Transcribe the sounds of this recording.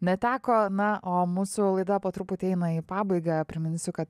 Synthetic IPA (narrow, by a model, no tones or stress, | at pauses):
nʲɛt̪ʲæːkoːnɐʔoːmuːsʊlˠɐɪd̪ɐpoːt̪ɾʊpʊt̪ʲiɛɪnɐiːpɑːbɐɪɡɐpʲɾʲɪmʲɪnʲsʲʊkɐt̪